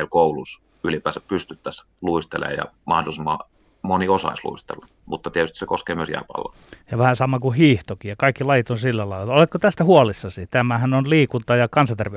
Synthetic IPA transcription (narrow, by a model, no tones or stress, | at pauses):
elkoulus | ylipæːsæppyst̪yt̪ːæs | luist̪elḛːjjɑ̰mɑhdolisemːɑ̰ | moniosɑ̰islṵist̪ḛlːɑ | mut̪ːɑt̪iet̪yst̪isekoskeːmyøsjæ̰ːpɑ̰lːɑ | jɑʋæhæsɑmɑkuhiːht̪okijɑkɑikːilɑjit̪onsilːælɑilːɑolet̪kot̪æst̪æhuolisːɑsit̪æmæhænonliːkunt̪ɑjɑkɑnsɑnt̪erʋe